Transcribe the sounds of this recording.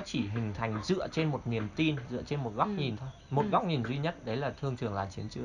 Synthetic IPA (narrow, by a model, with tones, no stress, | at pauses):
t͡ɕi˧˩ɦï˨˩ŋ̟t̪ʰa˨˩˦jŋ̟zɨ̰˧˨ət͡ɕe˧nmo˨˩t̚ni˨˩əmt̪i˧nzɨ̰˧ət͡ɕe˧nmo˨˩t̚ɣa˦˥wk͡p̚ɲi˨˩nt̪ʰo˧jjmo˨˩t̚ɣa˦˥k͡p̚ɲi˨˩nzwi˧ɲə˦˥t̚ɗə˨˦jlaː˨˩t̪ʰɨ˧əŋtʰɨ˨˩əŋlaː˨˩jt͡ɕi˨˦ənt͡ɕɨ˧˦ə